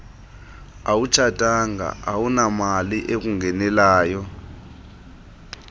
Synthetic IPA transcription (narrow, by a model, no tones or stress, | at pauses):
awut͡ʃʰatʼaŋa̰ʔawunamaliʔek̬uŋɡɛnɛlaːjɔ